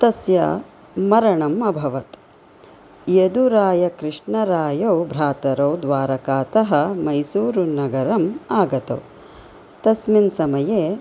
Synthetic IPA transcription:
t̪ɐsjɐ̰ | mɐɾɐɳɐmɐbʱɐʋɐt̪ | jed̪uɾaːjɐkɾɪʂɳɐɾaːjɐwbʱɾaːt̪ɐɾɐwd̪ʋaːɾɐkaːt̪ɐɦɐ̆mɐjsuːɾunɐɡɐɾɐmaːɡɐt̪ɐ̰w | t̪ɐsminsɐmɐjeː

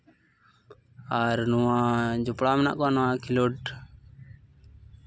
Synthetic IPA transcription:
aɾnuwãd͡ʒɔpɽamɛna̰ʔkanɔwãkʰiloʈ

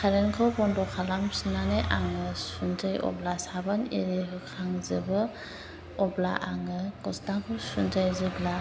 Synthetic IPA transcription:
kʰaɾenkʰɯwbɔndɔkʰalamsinanejʔaŋɯsunzajɔ̰blasabanḭɾeɦɯkʰaŋzɯbɯ | ɔbla̰ʔaŋɯkɔstakʰɯwsunzajzɯbla

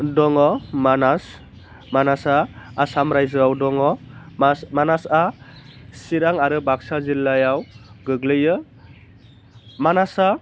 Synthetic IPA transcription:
dɔŋɔmanas | manasaːsamɾajzɯawdɔŋɔsmanasa | siɾaŋaɾɯbaksazilːajawɡɯɡlɯjɯ | manasa

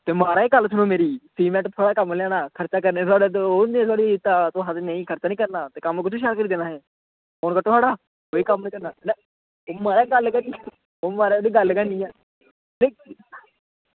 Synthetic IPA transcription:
t̪eːmaːɾaːeɡəlt̪ʰʊnõːmeːɾiːsiːmɛ̃ːʈt̪ʰəɽaːkəmljaːnaːkʰəɾt͡ʃaːk̬əɾneːt̪aːɽet̪̬ːoːnĩːt̪̬ʰaːɽiɪt̪aːt̪õːɦət̪nəĩːkʰəɾt͡ʃaːnĩːkəɾnaːt̪eːkəmkʊt͡ʃʰiːʃaːlkəɾiːd̪eːnaːɦɛː | oːnkəʈ̪oːsʰaːɽaː | ɦoːiːkəmnĩːkəɾnaːnɛ | oːmaːɾaːɡəlkəniː | oːmaːɾaːɽiːɡəlkənĩːɛː | nẽ

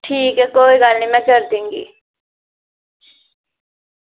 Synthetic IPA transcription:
ʈʰiːkɛkoːiːɡəlnĩːmɛ̃ːkəɾd̪ẽːŋɡḭː

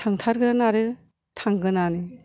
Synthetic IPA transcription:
tʰaŋtʰaɾɡɯnaɾɯ | tʰaŋɡɯnanɯ

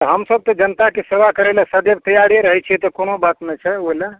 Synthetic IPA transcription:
t̪ɦəmsəb̚t̪ɔd͡ʒənət̪akesebakəɾelasəd̪eb̚t̪əjaɽieɾəɦɛt͡ʃʰɛt̪ɔkonobatt̪nɛjt͡ʃʰɛoila

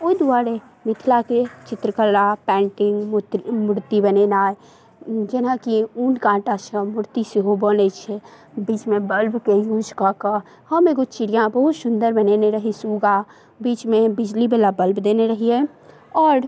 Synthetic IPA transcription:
oid̪uaːɾe | mɪt̪ʰlaket͡ʃɪt̪ɾəkəlapɛ̃ːɳʈɪŋɡmʊɽt̪ibənenaː | d͡ʒenakiunɖkãːʈasəmʊɽt̪isiɦobɔːnet͡ʃʰɛ | biːt͡ʃmẽbəlbkejuːd͡ʒkaka | həmeːɡot͡ʃɪɽijãbəɦut̪sʊnd̪əɾbəneneɾəɦisuːɡa | biːt͡ʃmẽbɪd͡ʒlibelabəlbd̪eːneɾəɦiɛ | ɔːɾ

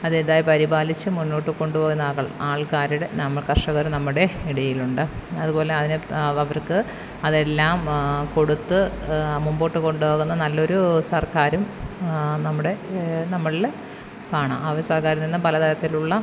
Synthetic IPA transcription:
ɐðed̪aːjɐpɐɾibaːlit͡ɕːɨmunːoːʈːɨko̞ɳɖupoːɣunːɐɣɐɭaːɭkaːɾuɽe̞nɐmːɐɭkɐrʂɐɣɐɾumnɐmːuɽe̞eɽɐjiluɳɖɨɐðupo̞ːle̞ɐðinɨɐʋɐrkɨ | ɐðe̞lːaːmko̞ɽut̪ːɨmumboːʈːɨko̞ɳɖupo̞ːɣunːɐnɐlːo̞ɾusɐrkaːɾum | nɐmːuɽe̞nɐmːɐɭil | kaːɳa̰ːmɐʋɐɾsɐrkaːɾuninːɐpɐlɐt̪ɐɾɐt̪ːiluɭːɐ

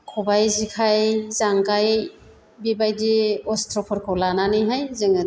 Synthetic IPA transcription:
kʰɔbajzikʰajzaŋkaj | bibajdiɔstʰɾɔpʰɔɾkʰɔlananɯjɦajzɯŋɯd

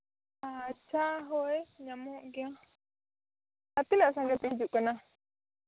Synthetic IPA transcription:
at͡ʃaɦoeɲamɔʔɡa | at̪ilaʔsaŋɡap̪iid͡ʒup̚kənah

